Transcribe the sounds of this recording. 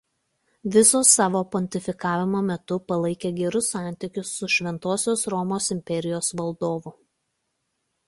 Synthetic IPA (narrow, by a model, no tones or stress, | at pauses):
ʋʲɪsoːsːɑːʋoːpɔnʲt̪ʲɪfʲɪkɑːʋʲɪmoːmʲɛt̪ʊpɐlˠɐɪkʲeːɡʲɛɾʊsɑˑnʲt̪ʲɪkʲʊsːʊʃʲʋʲɛnt̪oːsʲoːsɾɔmoːsɪmʲpʲɛɾʲɪjoːsʋɐlˠd̪oːʋʊ